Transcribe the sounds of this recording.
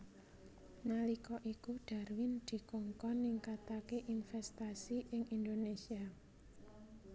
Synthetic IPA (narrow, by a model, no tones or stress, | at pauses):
nalikɔʔikuɖ̥a̤rwɪnd̪̥i̤kɔŋkɔniŋkat̪akeʔinfɛst̪asiʔɪŋind̪onesia